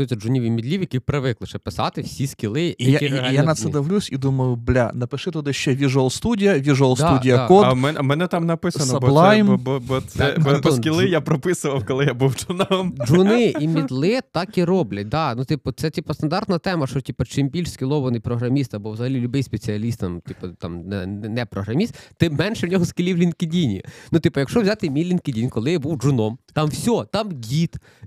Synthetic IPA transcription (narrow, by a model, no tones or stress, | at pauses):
jusʲɐd͡ʒʊnʲiʋʲimʲid̪ʲlʲiwjɐkʲipɾɪʋɪklˠɪʃɛpɪsɑ̰t̪ɪwsʲiskʲɪlˠɪijɐaɪjanɐt̪sɛd̪ɐʋlʲusʲid̪umɐjʊblʲa̰nɐpɪʂɪt̪ɔd̪ɪʃt͡ʃɛʋʲiʒʊɐlˠst̪udʲijɐʋʲiʒʊɐlˠsd̪t̪udʲijɐkɔd̪mɛnmɛnɛt̪amnɐpɪsɐnsɐblˠajmbɔbɔt̪sɛbɔɔkʲilˠɪjapɾɔpɪsʊʋɐwkɔlˠɪjabuwt͡ʃʊnamd͡ʒunɪʔimʲid̪lˠɪt̪ɑkiɾɔblʲɐt̚ʲd̪ɑnut̪ɪpɔt̪sɛt̪ʲipɐst̪ɐnd̪ɑrt̪nɐt̪ɛmɐʃɔtʲipɐt͡ʃɪmbʲilʲʃskʲɪlˠɔʋɐnɪjpɾɔɦɾɐmʲist̪ɐbɔʋzɐɦɐlʲilʲʊbɪjspet͡sʲiɐlʲist̪ːɐmt̪ʲipɔt̪ɑ̰mnɛnɛnɛpɾɔɦɾɐmʲist̪t̪ɪmːɛnʃɛwnʲɔɦɔskʲɪlʲiwlʲinkʲɪdʲinʲḭnut̪ɪpɔjɐkʃɔʋzʲɑt̪ɪmʲijlʲinkʲɪdʲinʲkɔlˠɪjabuwd͡ʒʊnɔmt̪ɑmwsʲɔt̪ɑmɡʲit̪